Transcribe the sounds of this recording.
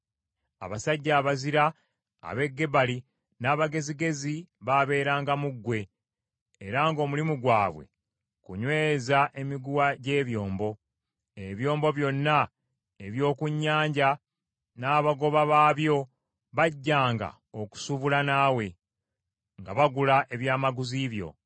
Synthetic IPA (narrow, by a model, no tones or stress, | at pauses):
a̰βasaɟːaːβaziɾa̰ː | βe̞ɡːe̞bali | naːβaɡe̞ziɡe̞ziβaβe̞ːɾaːŋɡamuɡːwe̞ː | ɾaŋɡo̞ːmulimuɡwaːβwe̞̰ | kuɲwe̞ːzaʔe̞miɡuwaɟe̞ːβjo̞ːmbo̞ | eβjo̞ːmbo̞βjo̞nːa | eβjo̞ːkuɲːaːɲɟa | naːβaɡo̞βaβaːβjo̞ | βaɟːaːŋɡa̰ | oku̥suβulanaːwe̞ | ŋɡaβaɡulaʔe̞βjaːmaɡuziβjo̞̰